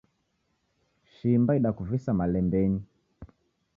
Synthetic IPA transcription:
ʃimbaiɗakuvisamalɛmbɛni

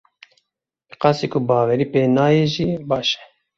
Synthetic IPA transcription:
bqɑsiːkʰʊbɑːwɛɾiːpeːnɑːjeːʒiːbɑːʃɛ̥

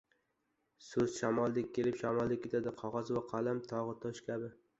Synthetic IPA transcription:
sɵzʃamɒlˠːɪkʲʰːe̞lɪpʃamɒlˠd̪ɪkʲʰːet̪ʰad̪ɪqʰɒʁɑzwaqʰɑlamt̪ʰɒʁɨt̪ʰɒʃkʲʰabɪ

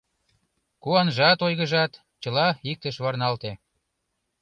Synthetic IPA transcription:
kuɑnʒɑt̪ojɣə̆ʒɑt̪ | t͡ɕə̆lɑik̚t̪əʃβɑrnɑlt̪e

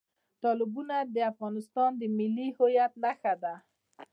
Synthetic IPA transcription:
t̪ɑlɪbunad̪əafɣɑnɪst̪ɑnd̪əmɪlːihojat̪naxad̪a

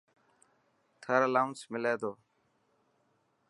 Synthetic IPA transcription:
t̪ʰəɾəlaːʊnsmɪleːd̪oː

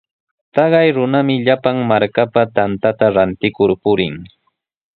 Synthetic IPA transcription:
t̪ɑɢɑjɾʊnamɪʎapaŋmaɾkapat̪ant̪at̪aɾant̪ɪkʊɾpʊɾɪŋ

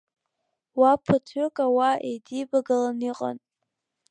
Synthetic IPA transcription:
wapʰɨtʰʊkʼawaʔḛjdibaɡalaniqʼa̰n

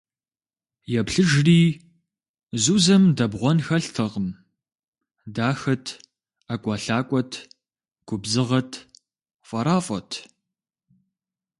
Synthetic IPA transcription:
jɛpɬɨʒriː | zuːzɐmdɐbʁʷɔnxɐɬtʰɐʁəm | daːxɐtʰ | akʷʼaɬaːkʷʼɔtʰ | ɡ̥ʷʊbzɨʁɐtʰ | fʼɐɾaːfʼɐtʰ

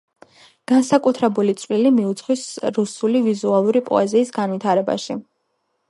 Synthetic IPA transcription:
ɡ̥ansakʼut̪ʰɾɛbulit̪sʼvwilimiut̪sʰχwisɾusulivizualˠuɾipʼɔ̰ɛziːsɡanvit̪ʰaɾɛba̰ʃi

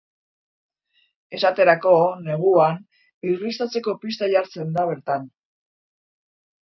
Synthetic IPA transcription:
e̞sat̪e̞ɾako̞ne̞ɣ̞uan | irist̪at͡se̞ko̞pist̪aʝaɾt͡se̞nd̪aβ̞e̞ɾt̪an

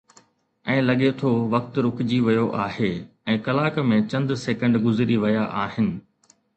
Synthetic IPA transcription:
ɛ̃ːlɐɠet̪ʰoʋɐk̚t̪ɾʊkɪd͡ʑiʋɐjoʔaːɦeː | ɛ̃ːkɐlaːkmẽt͡ɕɐ̃nd̪seːkə̃ɳɖɡʊzɾiʋɐjaʔaːɦɪnɪ̆

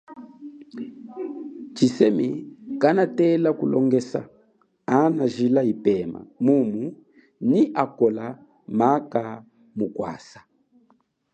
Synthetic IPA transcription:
t͡ʃisɛmikanatɛlakulɔŋɡɛsa̰ | anaʒilaipɛma̰mumu | niʔakɔla | maka | mukwa̰sḁ

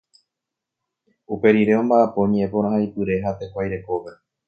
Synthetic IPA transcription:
upe̞ɾiɾe̞õ̞mbaʔapo̞ɲẽepo̞ɾ̃ãɦaipɨɾe̞ɦat̪e̞kʷajɾe̞ko̞ʋe̞

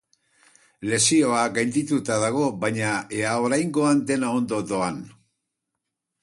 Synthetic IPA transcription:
le̞sio̞aɡajnd̪it̪ut̪aðaɣ̞o̞βajɲaeaoɾajŋɡo̞and̪e̞nao̞nd̪o̞d̪o̞an

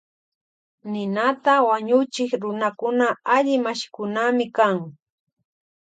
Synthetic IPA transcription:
nɪnat̪awaɲʊt͡ʃɪkɾʊnakʊnaaʎɪmaʃkʊnamɪkaŋ

